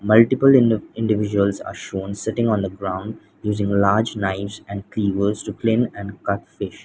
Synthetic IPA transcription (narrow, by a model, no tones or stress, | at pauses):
mʌlʈɪpəlɪɪ̃ɳɖɪʋɪd͡ʒuəlza̰ːɾʃõːnsɪʈɪ̃ŋɔ̃ːnd̪əɡɾãʊ̃ɳɖ | juːzɪ̃ŋlaːɾd͡ʒnaɪfsɛ̃ɳɖkliːʋəɾzʈuklɪ̃nɛ̃ɳɖkʌʈfɪʃ